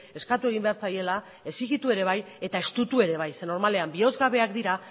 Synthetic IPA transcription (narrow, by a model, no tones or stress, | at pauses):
e̞skat̪ue̞ɣ̞imbe̞aɾt͡saje̞la | e̞siɣit̪ue̞ɾe̞βaj | e̞t̪ae̞st̪ut̪ue̞ɾe̞β̞ajse̞no̞ɾmale̞ambio̞zɣaβ̞e̞akd̪iɾa